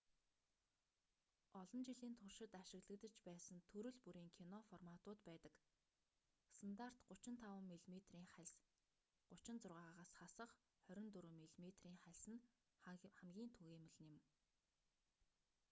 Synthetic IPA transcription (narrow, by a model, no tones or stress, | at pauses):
ɔɮɞ̆nt͡ɕiɮiːnt̪ʰʊrʃɪ̆t̪aʃɪ̆ɣɮɘ̆kt̪ə̆t͡ɕpæːsə̆nt̪ʰɵɾɵ̆ɮpuɾiːŋkʰinɔfɔrmat̪ʊːt̪pæːt̪ə̆k | st̪ʰant̪ar̥t̪ɢʊt͡ɕɪ̆nt̪ʰawə̆mːeɮmet̪riːŋχæɮs | ɢʊt͡ɕɪ̆nt͡sʊrʁaːʁaːʁaːsχasə̆χ | χœɾʲɪ̆nt̪uɾŭmːeɮmet̪riːŋχæɮʲsɘ̆n | χæmɡʲiːnt̪ʰuɣeːmə̆ɮ̆nɪ̆m